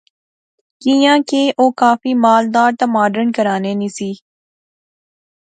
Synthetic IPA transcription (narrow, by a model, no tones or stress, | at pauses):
kijãːkeːʔoːkaːfimaːld̪aːɾt̪amaːɖəɾɳkəɾaːneːnisiː